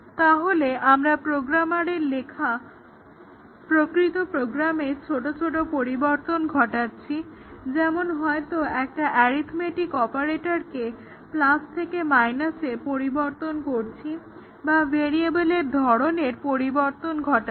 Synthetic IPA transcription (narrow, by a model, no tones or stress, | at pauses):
t̪aɦoleʔamɾapɾoɡɾamaɾeɾlekʰa | pɾokɾit̪opɾoɡɾameɾt͡ɕʰoʈot͡ɕʰoʈ̬opoɾiboɾt̪onɡʱɔʈatːɕʰi | d͡ʑɛmonɦɔet̪oɛk̚ʈaʔɛɾit̪ʰmeʈikɔpaɾeʈaɾke | plast̪ʰekemajnasepoɾiboɾt̪onkoɾt͡ɕʰi | baveɾiebeleɾd̪ʱɔɾoneɾpoɾiboɾt̪onɡʱɔʈa